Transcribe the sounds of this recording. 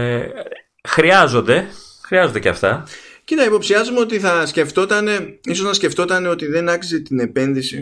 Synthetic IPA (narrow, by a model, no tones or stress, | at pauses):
xɾiɐzo̞nd̪e̞ | xɾiɐzond̪ceɐ̰ft̪ɐ̰cenɐipo̞psiɐzumeo̞t̪̬iθɐsce̞ft̪o̞t̪ɐne̞iso̞znɐsce̞ft̪o̞t̪ɐne̞o̞t̪iðe̞nɐksi̥set̪ine̞pe̞nðisḭ